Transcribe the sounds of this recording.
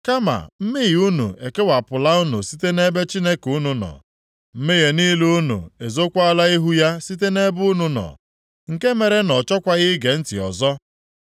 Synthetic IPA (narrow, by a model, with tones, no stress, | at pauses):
ka˦ma̰˨m̩˦me˦ɣi˨u˦nṵ˨e˨ke˦wa˨pʊ˨la˦u˦nṵ˨si˦te˦ne˦be˦t͡ʃi˦ne˦ku˦nu˨nɔ̰˨ | m̩˦me˦ɣe˨ni˦lu˦u˦nṵ˨e˨zo˦kʷa˦a˦la˦i˦ɦu˦ja˦si˦t̬e˦ne˦bʊ˦nu˨nɔ̰˨ | ŋ̩˨ke˦me˨ɾe˦nɔ˨t͡ʃɔ˦kʷa˦ɣɪ˦ɡe˨n̩˦tɪ̰˨ɔ̰˨zɔ˦